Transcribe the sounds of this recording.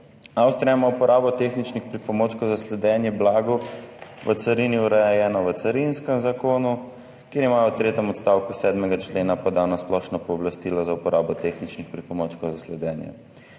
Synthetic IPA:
awst̪ɾɛmaupɔɾʔaːbɔt̪exnit͡ʃnixpɾipɔmoːt͡ʃkɔzaslɛd̪ɛnjɛblaːɡuʋət̪saɾiniuɾɛjɛjɛːnɔʋət̪saɾinskɛmzakoːnu | keɾimaːjɔwt̪ɾeːt̪ɛmɔt̪st̪aːwkusɛːd̪mɛɡat͡ʃleːnapɔd̪anasplɔʃnɔpɔːblast̪ilɔzaupɔɾʔaːbɔt̪exnit͡ʃnixpɾipɔmot͡ʃkɔzaslɛd̪ɛːnjɛ̰

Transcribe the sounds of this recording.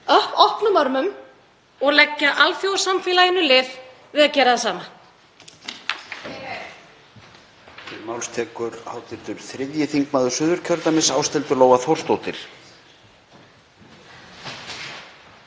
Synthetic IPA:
œhpɔhpnʏmœɾmʏm | ɔɣlɛcːaʔalfjowɾ̥samfɪːlajɪnːʏlɪːv | vɪðaðcɛːɾaðasaːma | ɪɾmaːwlst̪ʰɛːkʏɾhaːwt̪ɪɾ̥t̪ʏɾ̥θɾɪðjɪθiŋkmaðʏsʏːðʏɾ̥cʰœɾt̪amɪsaːwst̪ɛlt̪ʏɾloːwvaθowr̥st̪owt̪ɪɾ̥

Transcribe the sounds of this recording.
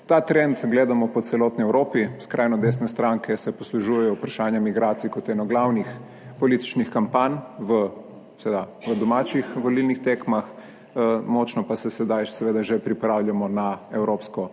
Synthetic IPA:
t̪at̪ɾɛnt̪ɡleːd̪amɔpɔt̪sɛlɔːt̪niɛwɾoːpiskɾʔajnɔd̪eːs̬nɛst̪ɾaŋkʰɛsɛpɔsluʒujɛjɔwpɾaʃaːnjamiɡɾaːt̪sikɔt̪jɛnɔɡlawnix | pɔlit̪i̥t͡ʃnixkampanʋə | sed̪aʋəd̪ɔmaːt͡ʃixʋɔlilnixt̪eːkmax | mɔt͡ʃnɔpasɛsɛd̪ajsɛʋeːd̪aʒepɾipɾawljamɔnaɛwɾoːpskɔ

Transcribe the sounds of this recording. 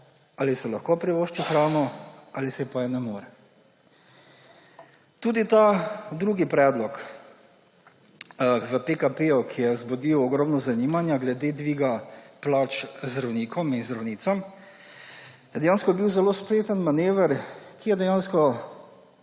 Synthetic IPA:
alisɛlaxkopɾiʋoːʃt͡ʃixɾawnɔalisɛpajɛnɛmoːɾɛ | t̪uːd̪it̪ad̪ɾuːɡipɾɛːd̪lɔk | ʋəpekapejukʰijɛzbɔd̪iwɔɡɾɔmnɔzaniːmanjaɡlɛd̪eːd̪ʋiːɡaplat͡ʃzd̪ɾawniːkʰɔminzd̪ɾawniːt̪sam | jɛd̪ɛjaːnskɔbiwzɛloːspleːt̪ənmaneːʋəɾkijɛd̪ɛjanskɔ

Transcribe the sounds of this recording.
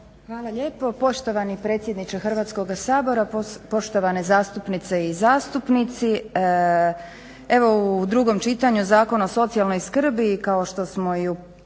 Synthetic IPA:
xʋaːlˠaʎe̞ːpo̞po̞ʃt̪o̞ʋanipɾet̪sjed̪nit͡ʃexrʋaːt̪sko̞ɡasaːbo̞ɾapo̞ʃt̪o̞ʋane̞zaːst̪upnit̪se̞izaːst̪upnit̪si | e̞ʋo̞ud̪ɾuɡo̞mt͡ʃit̪aɲuzaːko̞naoso̞t̪sialˠno̞jskr̩bikaoʃt̪o̞smo̞iu

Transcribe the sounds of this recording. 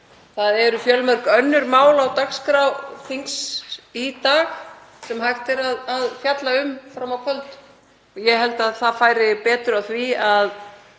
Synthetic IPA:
θaðɛɾʏfjœlmœɾkœnːʏɾmaːwlawt̪akskɾawθiŋksit̪aːxsɛmɦajxt̪ɛɾaðːðfjat̪laʏmfɾamawkʰœlt̪ | ɔjɛɦɛlt̪aðθaðfaːjɾɪpɛːt̪ɾʏawθviað

